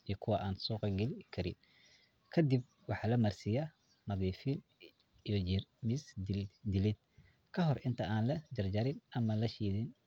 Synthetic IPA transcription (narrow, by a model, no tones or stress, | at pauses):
ijɔkʰʊwɐʔaːnsuːqɑɡɛlɪkʰɐɾɪ̰n | kʰɐd̪ib̚wɑħɑlɐmɐrsɪjɐ | mɐðiːfɪn | ijɔmɪsd̪ɪlɪd̪̚ | kʰɐɦɔrʔɪnt̪ʰɐaːnlɐd͡ʒɐrd͡ʒɐɾɪnɐmɐlɐʃiːðɪn